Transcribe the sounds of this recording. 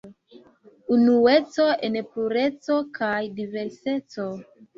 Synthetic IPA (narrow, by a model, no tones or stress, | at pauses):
unue̞t͡so̞e̞npluɾe̞t͡so̞kʰajdive̞ɾse̞t͡so̞